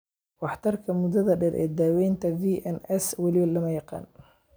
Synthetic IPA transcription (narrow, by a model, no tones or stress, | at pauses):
wɑħt̪ʰɐrkʰɐmʊd̪ɐðɐɖɛɾʔɛ̰ːd̪aːwɛjnt̪ʰɐviːʔɛnɛswɐlɪwɐlɐmɐjɑqɑ̰ːn